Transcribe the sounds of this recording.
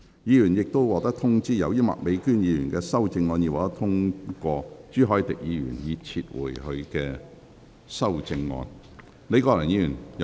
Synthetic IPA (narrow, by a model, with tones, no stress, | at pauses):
jiː˨˧jyː˨˩njɪ˨k̚t̪o˥wwɔː˨k̚t̪ɐ˥k̚t̪ʰʊ˥ŋt͡siː˥˩jɐ̰˨˧wjiː˥mɐ̰˨˩k̚me˨˧jkyː˥njiː˨˧jyː˨˩nkɛː˧sɐ˥wt͡sɪ˧ŋːɔː˧njiː˨˧waː˨kt̪ɐ˥k̚t̪ʰʊ˥ŋkɔː˧t͡ʃyː˥ɦɔː˨˥jt̪ɪ˨k̚jiː˨˧jy̰ː˨˩njiː˨˧t͡sʰiː˧t̚wṵː˨˩jhɵ˧ɥkɛː˧ | sɐ˥wt͡sɪ˧ŋːɔ̰ː˧n | ne˨˧jkɔː˧lɪ˨˩njiː˧jyː˨˩n